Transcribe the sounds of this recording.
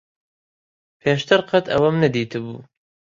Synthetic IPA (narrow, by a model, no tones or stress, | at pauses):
pʰeːʃt̪ʰɨɾqʰɐt̪ʰɐ̰wɐmnɐd̪iːt̪ʰɨbṵː